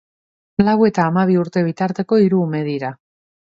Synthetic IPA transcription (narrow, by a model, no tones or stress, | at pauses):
lawe̞t̪aːmaβ̞iuɾt̪e̞β̞it̪aɾt̪e̞ko̞iɾuːme̞ð̞iɾa